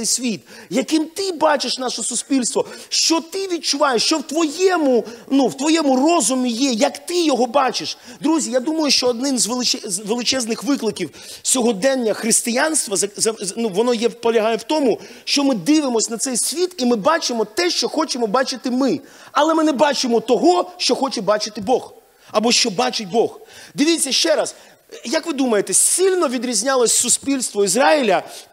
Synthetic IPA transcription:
ɛjsʲʋʲit̪̚jɐkɪmt̪ɪbɑt͡ʃeʃnɑʃɔsʊsʲpʲilʲst̪ʋɔʃt͡ʃɔt̪ɪʋʲid̪̚t͡ʃʊʋɑjeʃt͡ʃɔwt̪ʋɔjɛmʊnuwt̪ʋɔjɛmʊrɔzʊmʲijɛjɐkt̪ɪjɔɦɔbɑt͡ʃɪʃ | d̪ɾuzʲijad̪umɐjʊʃt͡ʃɔːd̪̚nɪnzʋelˠɪt͡ʃɛzʋelˠɪt͡ʃɛznɪxʋɪklˠɪkʲiw | sʲɔɦɔd̪ɛnʲːɐxɾɪst̪ɪjanst̪ʋɐzɐzɐnuʋɔnɔjɛwpɔlʲɐɦɑjɛwt̪ɔmʊʃt͡ʃɔmɪd̪ɪʋɪmɔsʲnɐt̪sɛjsʲʋʲit̪imɪbɑt͡ʃɪmɔt̪ɛʃt͡ʃɔxɔt͡ʃɪmɔbɑt͡ʃɪt̪ɪmɪ | ɐlˠɛmɪnɛbɑt͡ʃɪmɔt̪ɔɦɔʃt͡ʃɔxɔt͡ʃɛbɑt͡ʃɪt̪ɪbɔɣ | ɐbɔʃt͡ʃɔbɑt͡ʃɪt̚ʲbɔxd̪ɪʋʲit͡sʲːɐʃt͡ʃɛɾɐs | jɐkʋɪd̪umɐjet̪ɛsʲilʲnɔʋʲid̪ɾʲizʲnʲɑlˠɔsʲsʊsʲpʲilʲst̪ʋɔizɾɑɪlʲɐ

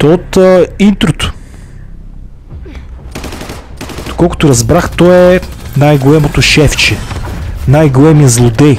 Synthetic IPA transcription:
t̪ot̪əint̪ɾʊt̪ʊ̥ | d̪̥okɔlˠkʊ̥t̪ʊɾɐzbɾaxt̪ɔɛnajɡolɛmot̪ʊʃɛft͡ʃɛnajɡolɛmijəzlˠʊd̪ɛj

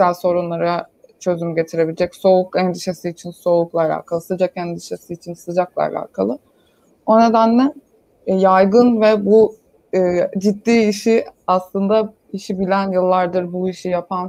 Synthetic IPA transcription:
ælʲso̞ɾunlˠaɾat͡ʃʰø̞zymyɟe̞t̪ʰiɾe̞bilʲed͡ʒɛcso̞ukɛnd̪iʃesiːt͡ʃʰinso̞uklˠaɾʲa̰ːkʰalˠɯsɯd͡ʒakɛnd̪iʃesiːt͡ʃʰinsɯd͡ʒaklˠa̰la̰kʰalˠɯ | o̞ne̞d̪ænlʲɛ | jajɡɯnvɛbu | ɯːd͡ʒit̪ːiːʃiaslˠɯnd̪a | iʃibilʲænjɯlˠːaɾd̪ɯɾbuiʃijapʰan

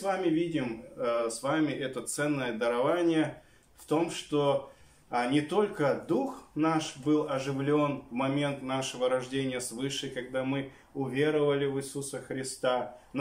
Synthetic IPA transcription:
vamʲɪvʲidʲɪmsvamʲɪʔɛt̪ət̪sɛnːəjəd̪əɾɐvanʲɪjə | ft̪o̞mʂt̪o | nʲɪt̪o̞lʲkəd̪uxnaʂbɨlˠɐʐɨvlʲo̞nvmɐmʲe̞nt̪naʂɨvəɾɐʐdʲenʲɪjəsvɨʂɨjkɐɡd̪amɨ | ʊvʲe̞ɾəvəlʲɪvɨsusəxɾʲɪst̪an

